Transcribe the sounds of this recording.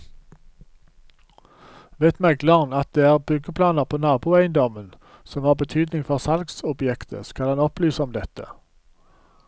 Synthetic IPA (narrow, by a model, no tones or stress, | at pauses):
ʋeːt̪mɛɡlɑʁnɑt̪̚d̪eːæːʁbʉɡəpʰlɑːnəʁpʰoːnɑːbuːæɪənd̪ɔmən | sɔmhɑːʁbət̪ʰyːd̪nɪŋfɔʁsɑlɡsʊbjɛkt̪ʰə̰skɑlɑnɔplyːsəɔmd̪ɛt̪ə̰